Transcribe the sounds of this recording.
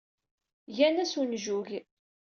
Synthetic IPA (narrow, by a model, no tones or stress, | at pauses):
jænæsunʒuʝ